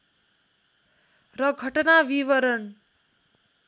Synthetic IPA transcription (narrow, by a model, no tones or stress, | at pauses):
rʌɡʱʌʈʌnabiʋʌɾʌn